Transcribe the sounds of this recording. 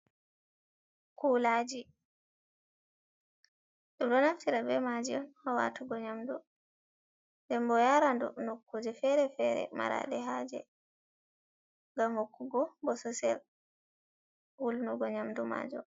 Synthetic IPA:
kuːlaːd͡ʒi | ɗumɗɔnaftiɾabɛmad͡ʒiɔnhɔwa̰tuɡɔɲamdu | ndɛmbɔjaɾandṵnokʰːud͡ʒɛfɛɾɛfɛɾɛ̰ma̰ɾa̰ɗɛɦaːd͡ʒɛ̰ | ŋɡamhokːuɡɔbɔsɔsɛ̰l | wulnuɡɔɲamduma̰ːd͡ʒɔ

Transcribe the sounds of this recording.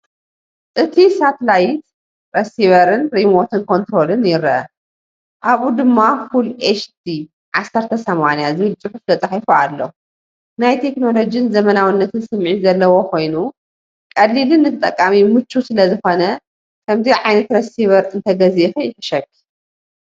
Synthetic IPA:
ʔɨt̪ʰisat̪lajt̪̚ | ɾɐsiβɐɾɨnɾimo̞t̪ʰɨnkʰo̞nt̪ɾo̞lɨnjɪɾɐʔɐ | ʔaβud̪ɨmːafulet͡ʃt̪ʰi | ʕasːɐɾt̪ʰɐsɐmanijazɨβɨlt͡sʼɨħuft̪ʰɐt͡sʼaħifualːo̰ | najt̪ʰe̞kno̞lo̞d͡ʒijinzɐmɐnawinːɐt̪ʰɨnsɨmʕizɐlːɐwo̞kʰo̞jnu | kʼɐlːilɨnːɨt̪ʰɨt̪ʼɐkʼːamimɨt͡ʃːusɨlɐzɨxo̞nɐ | kʰɐmziʕajnɐt̪ɾɐsiβɐɾɨnt̪ʰɐɡɐzixɨjɪħɨʃɐkːi

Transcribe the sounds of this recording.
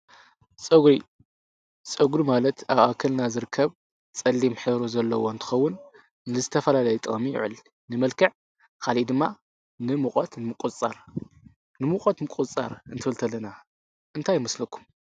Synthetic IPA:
t͡sʼɐɡɾi | t͡sʼɐɡɾimalɐt̪ʰaβakʰɐlnazɨɾɨkʰːɐβ | t͡sʼɐlːimħɨɾozɐlːɐwoɨnt̪ʰɨ̥xɐwːʊn | nɨzɨt̪ʰɐfɐlalɐjɛt̪ʼɐ̰mijɪ̰ʕɨ̰l | nɨmɐlkʰɐʕ | kʰalid̪ɨmːa | nɨmukʼɐt̪nɨmɨkʼut͡sʼaɾ | nɨmukʼɐt̪mɨkʼut͡sʼa̰ɾɨnt̪ʰɨfɨlt̪ʰɐlːɐna | ʔɨnt̪ʰajɪmɐslɐkʰːu̥m

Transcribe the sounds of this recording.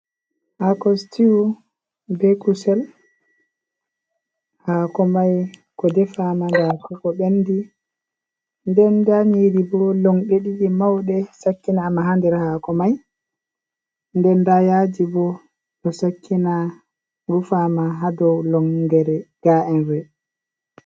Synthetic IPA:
ʔakɔstiu | bɛkusɛl | hakɔmajkɔdɛfamandakɔkɔɓenːdi | ndɛndaɲiɾibɔlɔŋɓeɗiɗimawɗɛsakːinaːmaɦandɛɾɛhakɔmaj | ndɛndajad͡ʒibɔ | ɗɔsakːina | ɡufamaɦadɔwlɔŋɡɛɾɛɡ̥aʔɛnɾɛ

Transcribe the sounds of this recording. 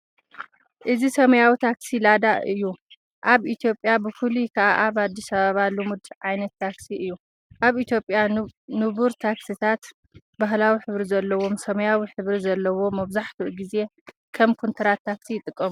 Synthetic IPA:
ʔɨzisɐmɐjawit̪ʰaksilad̪aʔɨjːu | ʔaβit̪ʰjo̞pʼjabɨfulukʰɐʔaʔaβad̪ːisaβaβalːumud̪ʕajnɐt̪ʰːaksiʔɨjːu | ʔaβit̪ʰjo̞pʼjanɨβuɾt̪ʰaksit̪ʰat̪ | baɦlawiħɨβɾizɐlːɐwo̞msɐmɐjawiħɨβɾizɐlːɐwo̞mɐβzaħt̪ʰuʔɡize̞ | kʰɐmkʰont̪ʰɐɾat̪ʰːaksijɪt̪ʼɨkʼːɐmu

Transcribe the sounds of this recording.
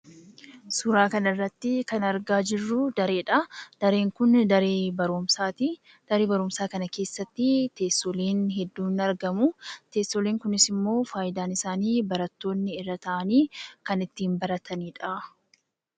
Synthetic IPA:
sʊɾaːkɐnɐɪrːɐt̪ːɪkɐnɐɾɡaːd͡ʒɪrːʊd̪ɐɾeːᶑɐd̪̥ɐɾe̞ːŋkʊnd̪ɐɾeːbɐɾʊmsaːt̪ɪ | d̪̥ɐɾeːbɐɾʊmsaːkɐnɐke̞ːsːɐt̪ːɪt̪eːst̪oːleːnɦɛd̪ːuːnɐɾɡɐmʊt̪e̞ːst̪ːoːleːŋkʊnɪsɪmːo̞ːfaːjɪd̪aːnɪsaːniːbɐɾɐt̪ːo̞ːnːɪɪrːɐt̪ɐʔɐniːkɐnɪt̪ːiːmbɐɾɐt̪ʰɐniːᶑɐ

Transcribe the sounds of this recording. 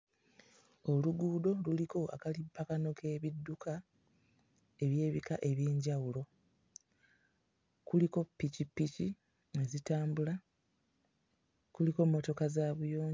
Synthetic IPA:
o̞luɡuːdo̞luliko̞a̰kalipːakano̞ke̞ːβidːukʰa | e̞βje̞ːβikaʔe̞βje̞ːɲɟawulo̞ | kuliko̞pːicipːici | e̞zitaːmbula | kuliko̞mːo̞to̞kazaːβujo̞ːɲ

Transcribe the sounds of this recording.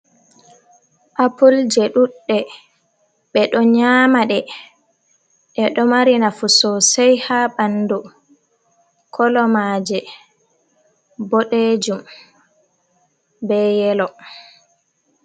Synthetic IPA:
ʔapuld͡ʒɛɗuɗːɛ | ɓɛɗɔɲamaɗɛ | ʔɛɗɔmaɾinafusɔsɛjhaɓandu | kʰɔlɔmaːd͡ʒɛ | bɔɗed͡ʒum | bɛjɛlɔ

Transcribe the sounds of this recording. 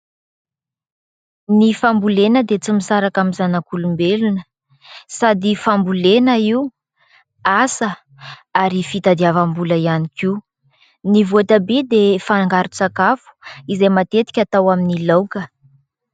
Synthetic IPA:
nifambulenəd̪et͡simisaɾakamizanakulumbelunə | sad̪ifambulenəiu | asə | aɾifit̪ad̪iavambuləianiki | nivoat̪abed̪efaŋɡaɾut͡sakafu̥izejmat̪et̪i̥kʲat̪awaminilowkə

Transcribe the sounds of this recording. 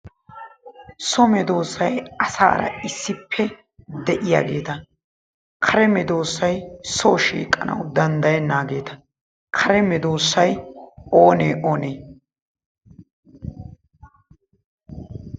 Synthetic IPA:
sɔmɛd̪o̞ːsːɐjɐsa̰ːɾɐ̰ɪsːɪpʰːɛ | d̪ɛʔɪja̰ːɡe̞ːt̪ɐ | kʰɐɾɛmɛd̪o̞ːsːɐjsoʃḭːkʼːɐnɐ̰wd̪ɐnd̪ɐjɛnːaːɡe̞ːt̪ʰɐ | kʰɐɾɛmɛd̪o̞ːsːɐjoːnḛːʔoːneː

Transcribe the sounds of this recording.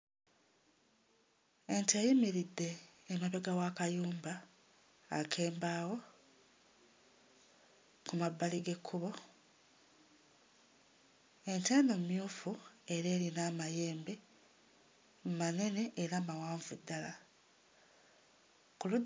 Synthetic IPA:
e̞ntejimiɾidːe̞ːmaβeɡawaːkajuːmba̰ː | kʰe̞ːmbaːwo̞ | kumabːaliɡe̞kʰːuβo̞ | e̞ntaːnomjuːfue̞ɾe̞ːɾinaːmaje̞ːmbe | mmane̞ne̞ʔːɾaːmawaːɱvudːala | kulu

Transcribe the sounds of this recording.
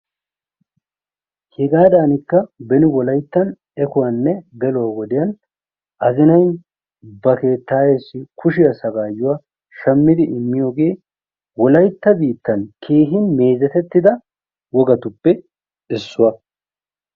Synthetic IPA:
hɛɡaːd̪aːnɪkːɐbɛnɪwɔlɐjt̪ːɐn | ɛkʊwanːɛɡɛlʊwawɔd̪ɪjɐn | ʔɐzɪnɐj | bɐke̞ːt̪ːaːjesːɪkʰʊʃɪjɐsɐɡaːjːʊwaː | ʃɐmːɪd̪ɪʔɪmːɪjo̞ːɡe̞ː | wɔlɐjt̪ːɐbiːt̪ːɐnkʰe̞ːɦɪnme̞ːzɛt̪ɛt̪ːɪd̪ɐ | wɔɡɐt̪ʊpːɛ | ɪsːʊwɐ

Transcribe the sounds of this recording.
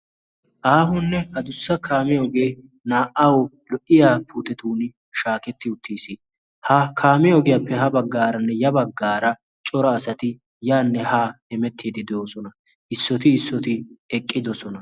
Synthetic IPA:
ʔaːɦʊnːɛhɐd̪ʊsːɐkʰaːmɛoɡe̞ː | naːʔɐwɔ | lɔʔɪjaːpʰuːt̪ɛt̪uːnɪ | ʃaːkɛt̪ːɪʊt̪ʰːiːsi | hɐkʰaːmɛɔɡɛjɐpːɛɦɐbɐɡːaːɾɐnːɛjɐbɐɡːaːɾɐ | t͡ʃʼɔɾɐːsɐt̪ɪ | jaːnːɛhaːhɛmɛt̪ʰːiːd̪ɪd̪ɛoːsɔnɐ | ʔɪsːɔt̪ɪːsːɔt̪ɪɛkʼːɪd̪ɔsɔnɐ

